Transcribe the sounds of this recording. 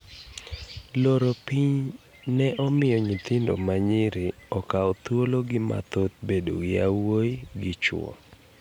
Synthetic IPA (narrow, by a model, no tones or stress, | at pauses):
loɾopiɲ | nɛʔɔmɪjɔɲit̪ɪndo̰maɲɪɾɪɔkaɔt̪woloɡɪma̰t̪ot̪̚bedo̰ɡɪawoiɡɪt͡ʃɔ̰